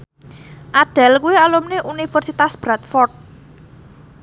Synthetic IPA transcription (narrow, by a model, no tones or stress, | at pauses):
ʔaɖ̥ɛ̤lkuwealumneʔunifərsit̪asb̥ɾat̪fɔrt̪̚